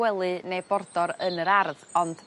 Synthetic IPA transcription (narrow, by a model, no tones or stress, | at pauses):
ɛlˠɨnejbɔrdɔɾənəɾarðɔnd̥